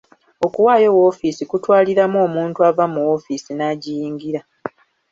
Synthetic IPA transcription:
o̞kuwaːjo̞wo̞ːfisikutwaːliɾamuo̞ːmuːntuavamuwo̞fisinaːɟijiːŋɡiɾa

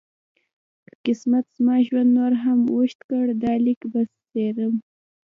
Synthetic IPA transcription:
kḁkɪsmat̪z̥mɑʒwand̪noɾɦamwuʃt̪kəɽd̪ɑlikbasːeɾəm

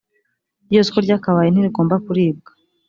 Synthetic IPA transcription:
ɾjoskoɾɟaːkaβajen̥iɾiɡo̞ːmbakuɾiːb̚ɡḁ

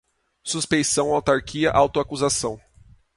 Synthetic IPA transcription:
suspẽjsɐ̃w̃awt̪aɾkʰiɐʔawt̪ʊakuzasɐ̃w̃

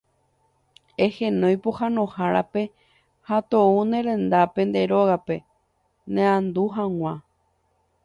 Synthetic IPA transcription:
ehẽnõjpohanõhaɾape̞ | hat̪ounẽɾẽ̞nd̪apẽ̞nd̪e̞ɾo̞ɣape̞ | nẽãnd̪uɦãw̃ʷã

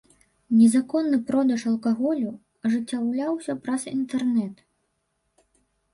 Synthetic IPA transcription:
nʲɛzakɔnːɨpɾɔd̪ɐʂɐlˠkaɣɔlʲu | ɐʐɨt͡sʲːawlʲawsʲɐpɾɐzint̪ɛrnɛt̪

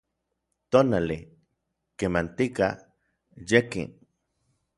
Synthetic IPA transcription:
t̪onali | kemant̪ika̰ | jekḭn

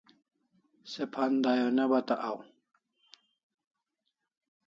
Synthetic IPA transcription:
sepʰand̪ajonebat̪aʔaw

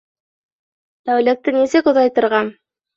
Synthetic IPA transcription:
t̪æwlæt̪ːɘnisɘkŏðɑjt̪ɤ̆ɾʁɑn

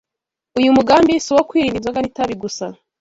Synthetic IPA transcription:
ujumuɡaːmbijesuwokwiːɾiːndizwaŋɡanitaβiɡusa

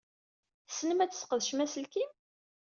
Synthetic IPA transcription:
θsnəmæt͡sːə̥sqəðʃmæsəlkim

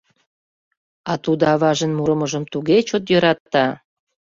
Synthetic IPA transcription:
ɑt̪ud̪ɑβɑʒənmuɾə̆məʒəmt̪uɣet͡ɕot̪jøɾɑt̪ːɑ

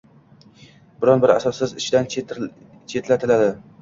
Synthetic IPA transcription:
bɪɾɒnbɪɾa̰sɒsɪzɪʃd̪an | t͡ʃʰe̞t̪lat̪ʰɪlad̪ɪ

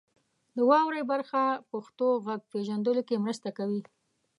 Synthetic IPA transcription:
d̪əwɑwɾajbaɾxapaxt̪oɣaɡ̚peʒand̪əlokemɾəst̪akawi

